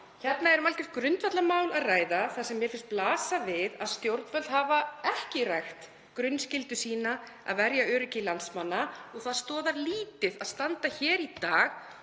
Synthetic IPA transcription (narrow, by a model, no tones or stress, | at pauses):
çɛt̪naɛɾʏmalkɪft̪kɾʏnt̪vat̪lamaːwlaðraːjðaθaðsɛmːjɛɾfɪnst̪plaːsavɪðaðst̪jowɾt̪nvœlhavaɛhcɪrajxt̪ | kɾʏnscɪlt̪ʏsiːna | a̰ðvɛɾjaœːɾɪcɪlansmanːaɔɣθaðst̪ɔːðaɾliːt̪ɪðaðst̪ant̪açɛːɾit̪aːɣ